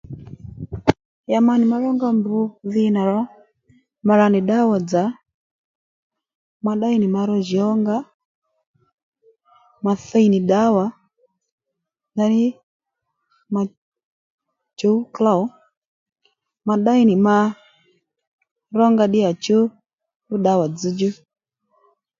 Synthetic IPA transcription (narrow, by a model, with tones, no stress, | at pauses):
ja˨ma˨ni˨ma˦ɾɔ˦ŋɡa˦mbu˨˦ði˦na˨ɾɔ˦ | ma˨ɾa˨ni˨ɗa˦wa˨d͡za˨ | ma˨ɗa˦i˦ni˨ma˧ɾɔ˦ʒi˨ɔ˦ŋɡa˦ | ma˨θɛ˦i˨ni˨ɗa˦wa˨˦ | na˨ni˦ | ma˨ | t͡ʃo˦kla˦˨ɔ˦ | ma˨ɗa˦i˦ni˨ma˦ | ɾɔ˦ŋɡa˧ɗi˦a˨t͡ʃu˦ | u˦ɗa˦wa˨d͡zi˦d͡ʒu˦